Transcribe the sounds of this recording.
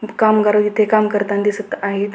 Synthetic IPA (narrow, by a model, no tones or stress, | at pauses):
kamɡaɾəit̪ʰekamkəɾt̪ãnd̪isət̪aɦet̪